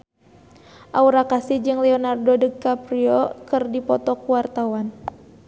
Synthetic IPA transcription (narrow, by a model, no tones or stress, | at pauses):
ʔauɾakasid͡ʒɨŋlɛɔnardɔdəkːapɾiɔkɨrdipɔt̪ɔkuwart̪awan